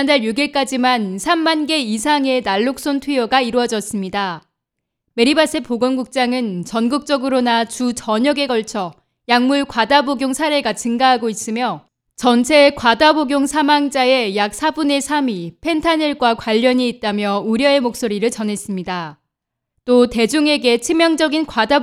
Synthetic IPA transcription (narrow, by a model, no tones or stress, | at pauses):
andaɭjuɡeɭk͈ad͡ʑimansʰamːanɡe̞isʰaŋe̞naɭːok̚s͈ontʰwijoɡaiɾwʌd͡ʑʌs͈ɯmɲida | me̞ɾibas͈epoɡʌnɡuk̚t͡ɕ͈aŋɯnt͡ɕʌnɡɯk̚t͡ɕ͈ʌɡɯɾonat͡ɕut͡ɕʌɲʌɡe̞ɡʌɭt͡ɕʰʌ | jaŋmuɭkwadaboɡjoŋsʰaɾe̞ɡat͡ɕɯŋɡaɦaɡois͈ɯmjʌ | t͡ɕʌnt͡ɕʰe̞kwadaboɡjoŋsʰamaŋd͡ʑae̞jak̚sʰabune̞sʰamipʰe̞ntʰaneɭɡwakwaʎːʌɲiːt̚t͈amjʌuɾjʌe̞mok̚s͈oɾiɾɯɭt͡ɕʌne̞s͈ɯmɲida | t͈ote̞d͡ʑuŋe̞ɡe̞t͡ɕʰimjʌŋd͡ʑʌɡinkwada